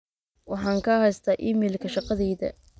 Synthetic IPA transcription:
wɑħɑːŋkʰɐhɛjst̪ʰaːʔimɛːlkʰɐʃɑqɑðɛːðɐ̰

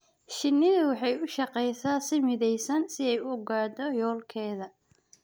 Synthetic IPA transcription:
ʃɪnːɪðʊwɑħɑjʊʃɑqɛjsasɪmɪðɛjsɐnsɪɛjʊɡaːd̪ɔjɔːlkʰɛːðɐ

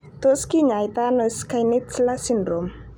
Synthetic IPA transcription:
t̪oskiɲajt̪anəskajnitt͡slasindɾom

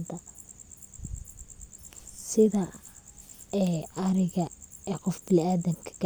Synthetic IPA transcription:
t̪ɐ | sɪðɐ | ɛːʔɐɾɪɣɐɛːqɔfbɪlaːðɐŋkʰɐ̥ɡ

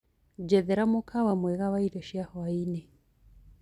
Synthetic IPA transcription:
d͡ʒɛðɛɾamokʰawamwɛɣaβaiɾɔʃjahwainɛ

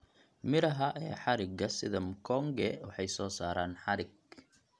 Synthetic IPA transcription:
mɪɾɐɦɐʔɛːħɑɾɪɡɐsɪðɐmkʰɔŋɡɛwɑħɑjsɔːsaːɾaːnħɑɾɪɡ̚

